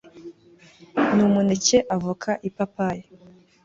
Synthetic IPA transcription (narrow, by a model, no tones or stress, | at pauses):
numuneceʔavukʰaʔipapaje